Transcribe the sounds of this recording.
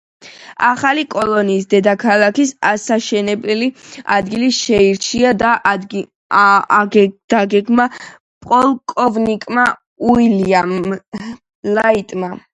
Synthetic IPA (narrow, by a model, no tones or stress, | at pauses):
aχalikʼɔlˠɔniːsd̪ɛd̪akʰalˠakisasaʃɛnɛbɛlia̰d̪ɡiliʃɛiɾt͡ʃʰiad̪a | d̪̥aɡɛɡma | pʼɔlˠkʼɔvnikʼma | uiliam | lait̪ʼma